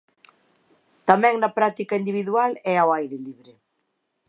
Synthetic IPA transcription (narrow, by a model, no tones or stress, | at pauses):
t̪amɛ̃ŋnɐpɾat̪ikɐind̪iβiðwalɛawajɾɪliβɾɪ